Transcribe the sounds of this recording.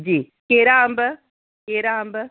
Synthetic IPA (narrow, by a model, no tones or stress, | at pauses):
d͡ʒiː | keɾaːmbə | keːɾaːmbə